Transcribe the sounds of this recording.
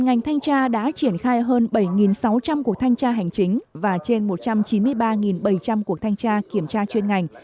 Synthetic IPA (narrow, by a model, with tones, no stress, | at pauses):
ŋa˨˩jŋ̟t̪ʰa˧jŋ̟t͡ɕaː˧ɗa̰ː˧˥t͡ɕi˧˩ənxaː˧jɦəː˧nɓə˧˩jŋi˨˩nsa˨˦wt͡ɕa˧mku˨˩ək̚t̪ʰa˧jŋ̟t͡ɕaː˧ɦa˨˩jŋ̟t͡ɕi˨˦ŋ̟vaː˨˩t͡ɕe˧nmo˨˩t̚t͡ɕa˧mt͡ɕi˨˦nmɨ˧əjɓaː˧ŋi˨˩nɓə˧˩jt͡ɕa˧mku˨˩ək̚t̪ʰa˧jŋ̟t͡ɕaː˧ki˧˩əmt͡ɕaː˧t͡ɕwe˧nŋa˨˩jŋ̟